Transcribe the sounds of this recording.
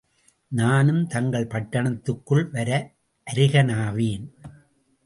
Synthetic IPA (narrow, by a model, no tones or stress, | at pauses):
naːnɯmt̪ɐŋɡɐɭpɐʈːɐɳɐt̪ːɯkːɯɭʋɐɾɐ | ʔɐɾɪɣɐnaːʋeːn